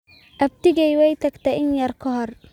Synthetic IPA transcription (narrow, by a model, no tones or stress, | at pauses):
ʔɐb̚t̪ɪɡɛjwɛjt̪ʰɐɡt̪ʰɐɪnjɐrkʰɔɦɔr